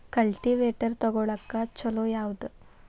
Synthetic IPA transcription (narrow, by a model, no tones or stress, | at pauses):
kɐlʈiʋeːʈəɾt̪ɔɡoɭɐkːat͡ʃɐlojawd̪